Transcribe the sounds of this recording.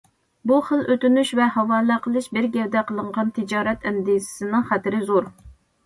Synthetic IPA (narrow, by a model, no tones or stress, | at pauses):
buχəlˠʔøt̪ynyʃvɛhɑwɑːlˠæqʰəlˠɨʃbɪɾɡʲɛvd̪ɛqəlˠəɴʁɑnt̪ʰɪd͡ʒɑːɾɛt̪ʰɛnd̪izɪ̥sɨnɨŋχæt̪ɪɾɪzuɾ